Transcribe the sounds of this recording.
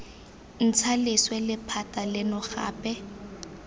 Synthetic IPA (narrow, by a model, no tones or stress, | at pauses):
n̩t͡sʰalɪswɛlɪpʰatʼalɪnʊɣa̰ːpʼɛ